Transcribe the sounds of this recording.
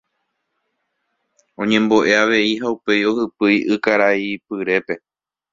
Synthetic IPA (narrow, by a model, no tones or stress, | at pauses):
õ̞ɲẽ̞mbo̞ʔe̞aʋe̞iɦaupe̞jo̞hɨpɨjʔɨkaɾaipɨɾe̞pe̞